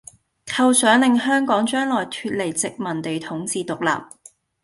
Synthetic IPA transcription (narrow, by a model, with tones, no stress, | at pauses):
kʰɐ˧wsœː˨˥ŋlɪ˨ŋhœː˥ŋkɔː˨˥ŋt͡ʃœː˥ŋlɔː˨˩jt̪ʰyː˧t̚le˨˩jt͡sɪ˨k̚mɐ˨˩nt̪e˨jt̪ʰʊ˨˥ŋt͡siː˨˧t̪ʊ˨˩k̚la̰ː˨p̚